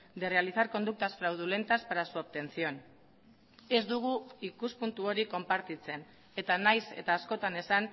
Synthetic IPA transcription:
d̪erealiθaɾko̞nd̪uk̚t̪asfɾawð̞ule̞nt̪aspaɾasuap̚t̪e̞nt͡sio̞n | e̞zd̪uɣ̞uikuspunt̪uo̞ɾiko̞mpaɾt̪it͡se̞n | e̞t̪anajse̞̰t̪aːsko̞t̪ane̞san

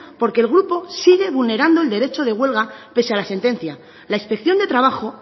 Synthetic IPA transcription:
po̞ɾkeːlɣ̞ɾupo̞siɣ̞e̞βulne̞ɾand̪o̞e̞ld̪e̞ɾe̞t͡ʃo̞ð̞e̞ɣ̞we̞lɣape̞sealase̞nt̪e̞nθja | laispe̞kθjo̞nd̪e̞t̪ɾaβ̞axo̞

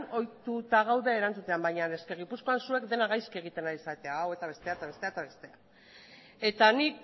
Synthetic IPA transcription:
o̞jt̪ut̪aɣ̞awðeeɾant͡sut̪e̞ambajɲane̞ske̞ɣ̞ipusko̞ansue̞kd̪e̞naɣajske̞ɣ̞it̪e̞naɾisat̪e̞aːwe̞t̪aβe̞st̪e̞aet̪aβe̞st̪e̞aet̪aβe̞st̪e̞a | e̞t̪anik

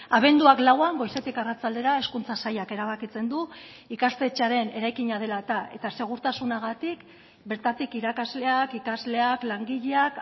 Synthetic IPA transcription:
aβ̞e̞nd̪uaklawaŋɡo̞jse̞t̪ikarat͡sald̪e̞ɾae̞skunt͡sasajake̞ɾaβ̞akit͡se̞nd̪u | ikast̪e̞t͡ʃaɾe̞ne̞ɾajkiɲað̞e̞lat̪ae̞̰t̪ase̞ɣ̞uɾt̪asunaɣ̞at̪ik | be̞ɾt̪at̪ikiɾakazle̞akikazle̞aklaŋɡiʎeak

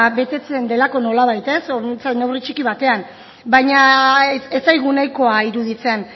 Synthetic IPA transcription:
βe̞t̪e̞t͡se̞nd̪e̞lako̞no̞laβ̞ajt̪e̞sot͡sane̞writ͡ʃikiβ̞at̪e̞am | bajɲa | e̞sajɣ̞unajko̞aiɾuð̞it͡se̞n

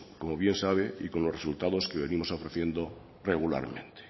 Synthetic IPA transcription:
komoβje̞nsaβ̞eiko̞nlo̞sresult̪aðo̞skeβe̞nĩmo̞sofɾeθje̞nd̪o | reɣ̞ula̰ɾmẽ̞̰nt̪e̥

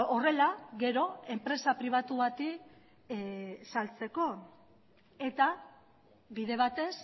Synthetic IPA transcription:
ore̞laɣe̞ɾo̞e̞mpɾe̞sapɾiβ̞at̪uβat̪i | salt͡se̞ko̞ | e̞t̪a | βiðe̞β̞at̪e̞s

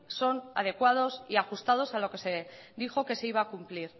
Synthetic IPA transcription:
so̞na̰ð̞e̞kwað̞o̞siaxust̪að̞o̞salo̞ke̞se̞ðixo̞ke̞seiβaːkumpliɾ

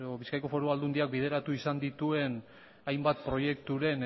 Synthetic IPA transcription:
oβiskajko̞fo̞ɾuald̪und̪iak̚bið̞e̞ɾat̪uisand̪it̪ue̞n | ajmbat̪pɾo̞je̞kt̪uɾe̞n

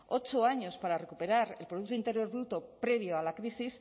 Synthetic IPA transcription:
o̞t͡ʃo̞aɲo̞spaɾare̞kupe̞ɾaɾe̞lpɾoðuk̚t̪oint̪e̞ɾjo̞ɾβɾut̪opɾe̞β̞io̞alakɾisis

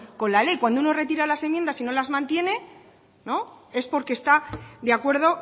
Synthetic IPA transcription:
ko̞nlale̞jkwand̪ouno̞re̞t̪̬iɾalasemjend̪asino̞lazmãnt̪je̞ne̞ | no̞e̞spo̞ɾkest̪aðeakwe̞ɾð̞o̞

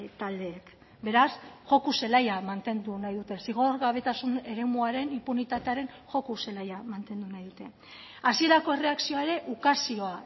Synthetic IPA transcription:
t̪ald̪e̞ːk | be̞ɾasʝo̞kuse̞lajamant̪e̞nd̪unajðut̪e̞siɣ̞o̞ɾɣaβ̞e̞t̪asune̞ɾe̞muaɾe̞nimpunit̪at̪e̞aɾe̞n | ʝo̞kuse̞lajamant̪e̞nd̪unajðut̪e̞ | asie̞ɾako̞ere̞aksio̞ae̞ɾe̞ʔukasio̞a

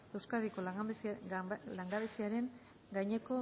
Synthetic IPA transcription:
e̞wskaðiko̞ | laŋɡaβesiaɾe̞ŋ | ɡajɲe̞ko̞

